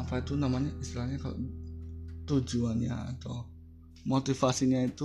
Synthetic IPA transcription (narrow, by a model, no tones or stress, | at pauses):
ampait̪unamaɲaʔist̪ilahɲakalo̰ʔ | t̪ud͡ʒuanɲa̰ːt̪aw | mot̪ifasiɲait̪u